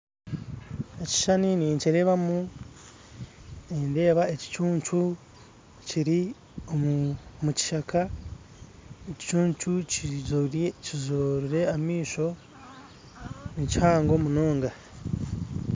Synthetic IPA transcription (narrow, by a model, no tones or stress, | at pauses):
eci̥ʃaniniːɲciɾe̞ːβamu | ende̞ːβaeci̥t͡ʃuːɲt͡ʃu | ciɾi | omuci̥ʃakʰa | eci̥t͡ʃuːɲt͡ʃucizcizoɾiɾe̞amiːʃo̞ | nicihaːŋɡo̞munoːŋɡa